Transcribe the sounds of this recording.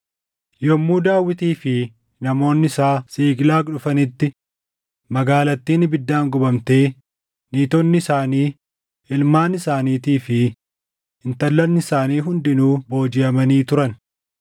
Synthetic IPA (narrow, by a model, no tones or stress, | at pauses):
jɔmːuːd̪aːwːɪt̪iːfɪ | nɐmo̞ːnːɪɪsaːsiːɡlaːkᶑʊfɐnɪt̪ːɪ | mɐɡaːlɐt̪ːiːnɪbɪd̪ːaːŋɡʊbɐmt̪e̞ː | niːt̪ɔnːɪsaːniː | ɪlmaːnɪsaːniːt̪iːfɪ | ɪnt̪ɐlːɐnːɪsaːniːɦʊnd̪ɪnuːbo̞ːd͡ʒɪɐmɐniːt̪ʊɾɐn